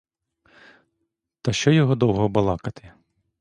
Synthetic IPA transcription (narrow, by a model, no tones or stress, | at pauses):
t̪ɐʃt͡ʃɔjɔɦɔd̪ɔwɦɔbɐlˠɑkɐt̪ɪ